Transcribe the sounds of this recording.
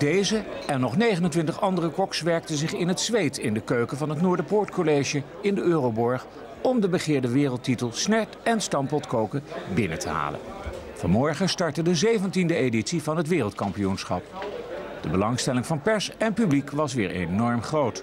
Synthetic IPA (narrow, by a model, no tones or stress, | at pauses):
d̥ejzəɛnːɔχnejχənəntʋɪntəχɑndərəkɔksʋɛɹk̚təzɪχɪnɦətsʋejtɪndəkøɥkəvɑnɦətnʊːɹdəpʊːɹtkolejʒə | ɪndəøːrowbɔɹχ | ɔmdəbəχɪːɹdəʋɪːrəlˠtitəlˠsnɛɹtɛnstɑmpɔtkowkəbɪnətʰəɦa̰ːlə̰nvɑ̰nmɔɹχəstɑɹtədəzejvəntindəeditsivɑnɦətʋɪːrəlˠtkɑmpijunsχɑ̰p | d̥əbəlɑŋstɛlɪŋvɑnpɛɹsɛnpyblikʋɑs̬ʋɪːɹʔḛnɔɹmχrowt